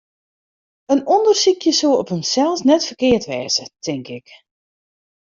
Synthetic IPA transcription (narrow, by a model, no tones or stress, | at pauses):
ənɔndərsikʰjəsuəɔphəmsɛlˠsnɛtfərkɪətʋɛːzətʰɪŋkɪk